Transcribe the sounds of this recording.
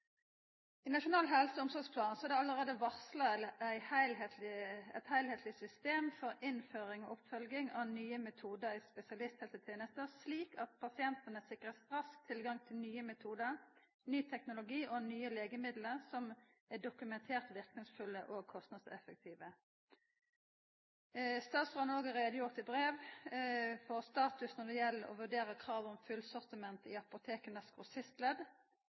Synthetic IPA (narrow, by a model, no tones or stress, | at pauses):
inɑʃʊnɑːlɦɛlsəʊmsɔʁɡspʰlɑːnsɔæʁd̪ɛɑləʁeːd̪əʋɑʁslɑlæɪhæɪlet̪ɪɛ̰t̪hæɪlheːt̪ʰlɪsʏst̪eːmfɔʁɪnføːʁɪŋɔʊpfœlɡɪŋɑnyːəmɛt̪ʰuːd̪əʁɪspɛsɪɑlɪst̪hɛlsət̪ʰjeːnəst̪əsliːkɑt̪̚pʰɑsɪɛnt̪ənəsɪkʁəst̪ʁɑsk̚t̪ʰɪlɡɑŋt̪ʰɪlnyːəmɛt̪ʰuːd̪əʁ | nyːt̪ʰɛknʊlʊɡiːʔɔnyːəleːɡəmɪd̪ləʁsɔm | æɖʊkʉmɛnt̪ʰeːʁt̪ʋɪʁknɪŋsfʉlːəʔoːɡ̚kʰɔst̪nɑd̪sɛfək̚t̪ʰiːʋə | st̪ɑːt̪sʁɑnoːɡəʁɛd̪əjʊʁt̪ɪbʁeːʋ | fɔʁst̪ɑːt̪ʉsnɔd̪ɛjɛlːəɾɔ̰ʋʉɖeːɾəkʰʁɑːʋɔmfʉlsɔʁt̪ɪmɛnt̪ɪɑpʊt̪ʰeːkənɑskʁʊsɪst̪lɛd̪